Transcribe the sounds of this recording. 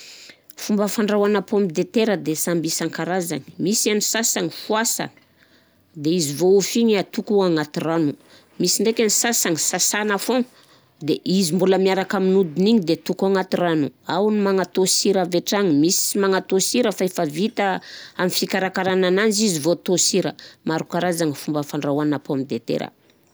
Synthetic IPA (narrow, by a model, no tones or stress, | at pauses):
fumbəfaɳɖ͡ʐawanapombid̪et̪eɾəd̪esambisaŋkaɾaza̰ni̥misanisasaŋifuasa̰n | d̪eizivoufiɲat̪ukuaŋat̪iranu | misiɳɖ͡ʐekʲanisasaŋisasanafo | d̪eʔizimbuləmiaɾakaminud̪iniɲid̪et̪ukuaŋat̪iranuawnimaŋat̪osiɾaveʈ͡ʂaŋimismaŋat̪osiɾəfaefavit̪aamifikaɾakaɾananand͡ʒizivot̪osiɾəmaɾukaɾazaŋifumbəfaɳɖ͡ʐawanapoamid̪et̪ḛɾə̰